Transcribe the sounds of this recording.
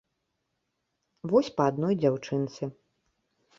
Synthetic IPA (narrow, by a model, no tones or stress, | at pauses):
vɔsʲpɐad̪nɔjd͡zʲawt͡ʂɨnt̪sɨ